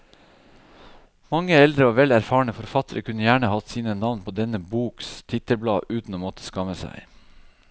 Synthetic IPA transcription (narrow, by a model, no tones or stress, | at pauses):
mɑŋːəɛld̪ɾəoːʋɛlæɾfɑːɳəfɔɾfɑt̪əɾəkʰʉnːəjæːɳəhɑt̪siːnənɑʋnpʰoːd̪ɛnəbuːkst̪ʰɪt̪əɾblɑːʔʉːt̪n̩oːmɔt̪ʰə̥skɑməsæ̰ɪ